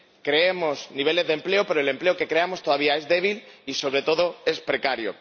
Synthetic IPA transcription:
kɾe̞emo̞sniβ̞e̞le̞zðe̞mple̞ope̞ɾole̞mple̞oke̞kɾeamo̞st̪o̞ðaβ̞iae̞zðe̞β̞iliso̞βɾe̞t̪o̞ð̞o̞e̞spɾe̞kaɾjo̰

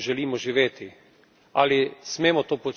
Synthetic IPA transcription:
ʒɛliːmɔʒiʋeːt̪i | a̰lismeːmɔt̪oːpo

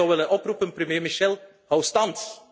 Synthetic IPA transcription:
ɔwʋɪlənʔɔprupənprəmjeːmiʃɛlˠ | hawstɑnt

